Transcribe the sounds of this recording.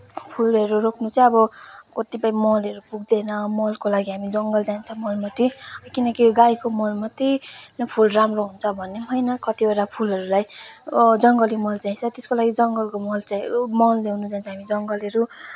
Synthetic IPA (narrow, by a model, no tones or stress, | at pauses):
pʰulʌɾurokʰnut͡sʌbʌkʌt̪ipʌ̃jmʌlʌɾupuɡ̚d̪enʌmʌlkolaɡiɦamid͡zʌŋɡʌld͡zant͡sʰʌ̃mʌlmʌt̪ikinʌkiɡajkomʌlmʌt̪ijnpʰulramroɦunt͡sʰʌbʱʌnːeɦʌjnʌkʌt̪ibeɾapʰulɦʌɾulaj | d͡zʌŋɡʌlimʌld͡zaĩt͡sʰʌt̪eskolaɡid͡zʌŋɡʌlkomʌlt͡samʌlleɦunud͡zaint͡sʰʌ̃ɦamid͡zʌŋɡʌlʌɾu